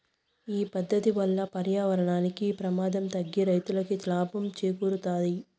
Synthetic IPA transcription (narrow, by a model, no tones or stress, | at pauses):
iːpɐd̪ːɐt̪iʋɐlːɐpɐɾjaːʋɐɾɐɳaːnikipɾɐmaːd̪ɐmt̪ɐɡːiɾɐjt̪ulɐkit̪laːbɐmt͡ʃeːkuːɾut̪aːd̪i